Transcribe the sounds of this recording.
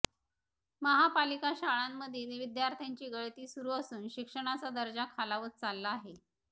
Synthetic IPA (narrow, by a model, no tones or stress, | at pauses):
məɦapalikaɕaɭamːəd̪ʱjed̪eʋid̪jaɾt̪ʰjaɲt͡ɕiːɡəɭt̪iːsuɾuːəsuːnɕikʂəɽ̃at͡sad̪əɾd͡ʑakʰalaʋət̚t͡salːaːɦe